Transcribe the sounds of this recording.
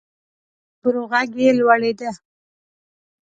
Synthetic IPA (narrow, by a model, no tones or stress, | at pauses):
b̥ʊɾuɣaɡjelwaɽed̪a